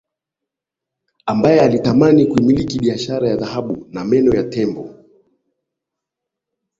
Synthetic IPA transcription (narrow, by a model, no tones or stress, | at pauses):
ambajɛalitamanikuimilikiɓiaʃaɾajaðahaɓunamɛnɔjatɛmbɔ